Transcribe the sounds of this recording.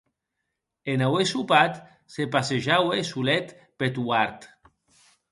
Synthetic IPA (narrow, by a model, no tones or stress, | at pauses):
enawesupat̪ | sepaseʒawesulet̪ | pet̪uaɾt̪